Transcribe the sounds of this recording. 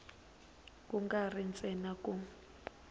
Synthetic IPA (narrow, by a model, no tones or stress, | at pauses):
kʼuŋɡarint͡sʼɛnakʼu